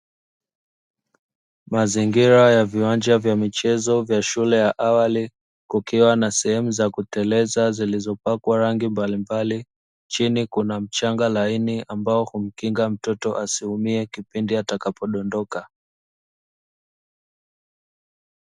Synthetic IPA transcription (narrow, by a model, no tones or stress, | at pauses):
maziŋɡiɾajaviwand͡ʒavjamit͡ʃɛzɔvjaʃulɛjaʔawali | kukiwanasɛhɛmuzakutɛlɛzazilizɔpakwaɾaŋɡimbalimbali | t͡ʃinikunam̩t͡ʃaŋɡalainiambaɔhum̩kiŋɡam̩tɔtɔʔasihumiɛkipindiatakapɔɗɔndɔka